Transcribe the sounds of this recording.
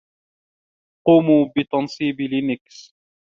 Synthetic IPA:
quːmuːbɪt̪ɑnsˤiːblɪnɪks

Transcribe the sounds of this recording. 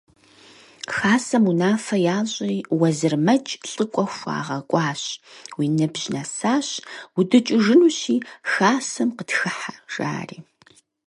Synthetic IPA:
xaːsɐmunaːfɐjaːʑʷʼiːwɐzɨrmɐt͡ʃʼɬʼɨkʷʼɔxʷa̰ːʁɐkʷʼɑːɕwiːnɨbʒ̥nɐsaːɕwʊdɨt͡ʃʼɪʐɨnuːɕiːxaːsɐmqətxɨħaʒ̥a̰ːrḭː

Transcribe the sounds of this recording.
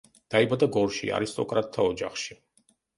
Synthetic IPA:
d̪̥aibad̪aɡɔɾʃḭa̰ɾist̪ʼɔkʼɾat̪ʰːaɔd͡ʒaχʃi

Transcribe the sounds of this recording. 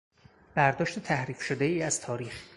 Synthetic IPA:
b̥æɾd̪ɒːʃt̪et̪ʰæhɾiːfʃod̪eiːæz̥t̪ʰɒːɾiːx

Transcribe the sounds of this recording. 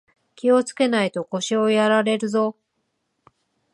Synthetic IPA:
kʲio̞t͡sɨ̥ke̞nait̪o̞ko̞ɕio̞jaɾaɾe̞ɾɯ̟zo̞

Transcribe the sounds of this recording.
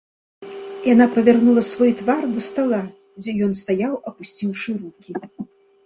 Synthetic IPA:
janapɐvʲarnulˠɐsvɔjt̪vard̪ɐst̪alˠa | d͡zʲɛjɔnst̪ajawɐpusʲt͡sʲiwʂɨrukʲi

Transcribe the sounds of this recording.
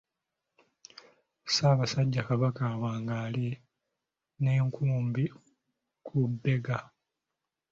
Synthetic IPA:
saːβasaɟːakaβakawaːŋɡaːli | ne̞ːŋkʰuːmbi | kʰubːe̞ɡa

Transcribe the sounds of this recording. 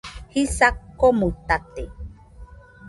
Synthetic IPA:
hisakːomut̪at̪e

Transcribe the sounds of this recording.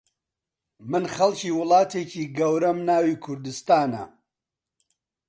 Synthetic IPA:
mɨnχɐlciːwʊlˠɑːt̪ʰeːciːɡɐwɾɐmnaːwiːkʰʊɾd̪ɨst̪aːnɐ̰

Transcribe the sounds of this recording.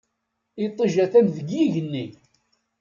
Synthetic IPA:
it̪ˤːiʒæθænðəɡjiʝənːi

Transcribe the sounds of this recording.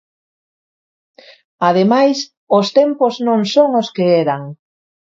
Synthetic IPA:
að̞emajs | ost̪empoznõŋsoŋoskeeɾaŋ

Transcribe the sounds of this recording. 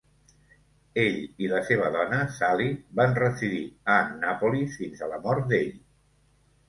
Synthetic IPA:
eʎiləseβ̞əðɔnəsalibanrəziðiənapulifinzələmɔɾt̪̚d̪eʎ

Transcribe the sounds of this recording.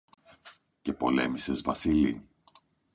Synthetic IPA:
ce̞po̞le̞̰mise̞zvɐsili

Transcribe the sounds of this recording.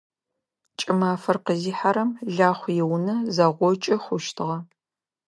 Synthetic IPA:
t͡ʃʼɪmaːfɐrqəziːħaɾɐmɮaːχʷjɛwnɐzɐʁʷɔt͡ʃʼɐχʷʊʃtʰɨʁɐ

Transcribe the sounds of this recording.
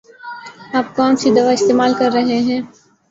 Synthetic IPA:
aːp̚kɔːnsid̪ɐʋaɪst̪eːmaːlkɐɾːɐɦeɦɛ̃ː

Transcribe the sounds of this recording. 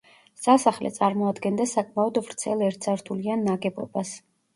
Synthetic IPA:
sasaχlɛ̰t̪sʼaɾmɔad̪ɡɛnd̪asakʼmaɔd̪vɾt̪sʰɛlˠɛɾt̪ʰsaɾt̪ʰulianːaɡɛbɔ̰bas

